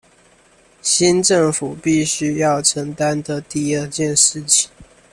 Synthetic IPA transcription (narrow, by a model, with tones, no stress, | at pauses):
ɕi˥˦nʈ͡ʂə˥˨ŋfu˨˩pi˥˨ɕy˥jɑ˥˩ʊʈ͡ʂʰə˧˦˥ŋt̪a˦nd̪ə˨t̪i˥˧ə˥˧t͡ɕjɛ˥˨nʂɻ̩˥˨t͡ɕʰi̥˨˩˦ŋ